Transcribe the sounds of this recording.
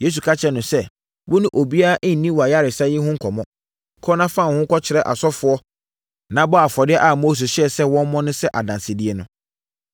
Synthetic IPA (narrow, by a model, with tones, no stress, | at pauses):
je˦s̬u˨kʰa˦t͡ɕʰɛ˨nʊ̃˨sɛ˦ | wʊ˦nʊ̃˦ʔo˨bi˦a˦a˦ʔɪ̃˦n̩˨nĩ˦wɔ˨a˨ja˦ɾɪ˨sa˦jɪ˦hʊ̃˦ŋ̩˦kʰɔ˨mɔ̃˦˨ | kʰɔ˦nã˦fã˦˨hʊ̃˦ŋ̩˦kʰɔ˦t͡ɕʰɪ˨ɾɛ˦ʔa̰˨sɔ˦fʊ˨ɔ˦ | nã˨˦bɔ˦a˨fɔ˨dɪ˦ɛ˦ʔa˨moː˦s̬e˨ɕɛ˨sɛ˦wɔ̃˦m˦mɔ̃˦nʊ̃˦sɛ˦ʔa˨dã˨nsɪ˨dɪ˦ɛ˦nʊ̃˦